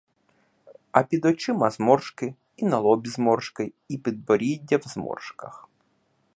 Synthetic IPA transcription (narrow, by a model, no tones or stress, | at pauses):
ɐpʲid̪ɔt͡ʃɪmɐzmɔrʂkɪ | inɐlˠɔbʲizmɔrʂkɐ | ipʲid̪̚bɔɾʲidʲːɐwzmɔ̰rʂkɐx